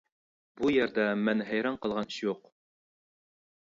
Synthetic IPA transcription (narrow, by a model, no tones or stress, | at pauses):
bujɘ̆ɾd̪ɑmænɦæjɾɑɴqɤ̆lˠʁɑnʃjuq